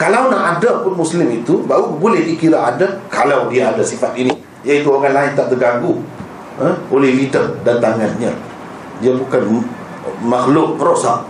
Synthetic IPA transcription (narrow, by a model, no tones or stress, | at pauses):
kalawnaʔadapʊnmuslɪmit̪ubaɦubolɛhikiɾaʔadakalawdiaadasifat̪ini | jait̪uoɣanlaɪnt̪aʔt̪əɡaɡu | əolɛhlidərdant̪aŋanɲã | diabukan | maxlʊʔpəɾɔʔsaʔ